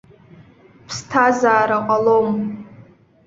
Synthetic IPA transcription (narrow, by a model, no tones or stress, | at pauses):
pʰstʰazaːɾaqʼalom